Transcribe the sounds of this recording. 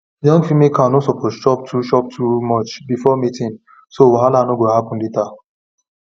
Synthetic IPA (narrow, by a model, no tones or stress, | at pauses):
jɔ̃ŋɡfimekʰanosɔpʰɔtʃɔp̚tʰuʃɔp̚tʰumɔt͡ʃbifɔmitĩn | sowaɦalanoɡohapɔ̃nleta